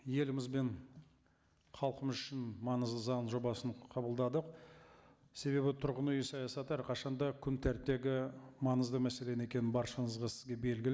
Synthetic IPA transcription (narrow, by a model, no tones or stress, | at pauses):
je̞lɪmɪzbe̞ɴ | qʰɑlˠqəməzʏʃɪnmɑnəzd̪əzɑnʒo̞bɑsənqʰɑbəlˠd̪ɑd̪əq | se̞be̞bɪt̪ʰʊɾʁənʊjəsɑjɑsɑt̪əæɾqʰɑʃɑnd̪ɑkʲʰʏnt̪ʰæɾt̪ːe̞ɡʲɪmɑnəzd̪əmæse̞le̞ne̞kʲe̞nɪnbɑɾʃənəzʁɑsɪzɡʲe̞be̞lɡʲɪl